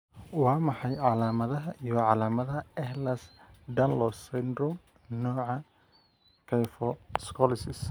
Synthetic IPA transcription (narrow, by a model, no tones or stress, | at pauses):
wɑːmɑħɑjʕɑlaːmɐðɐɦɐʔijɔʕɑlaːmɐðɐɦɐɛhlɐsd̪ɐnlɔsɛnd̪ɾɔm | nɔːʕɑ | kʰɛjfɔskʰɔlɪsɪs